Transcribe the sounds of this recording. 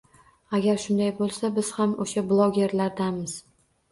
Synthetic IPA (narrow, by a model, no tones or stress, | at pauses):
aɡʲaɾʃʊnd̪ajbolˠsabɪz̥hamoʃablˠoɡʲe̞ɾlaɾd̪amɪz̥